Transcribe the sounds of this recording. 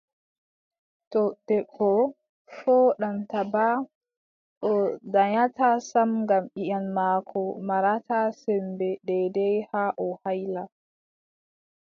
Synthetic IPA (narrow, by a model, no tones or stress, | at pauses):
tɔd̥ɛɓːɔ | fɔɗamtaba | ɗɔdaɲatasamŋɡamɓiʔanmaːkʰɔmaɾatʰasɛmbɛɗɛdɛjhaʔɔhajla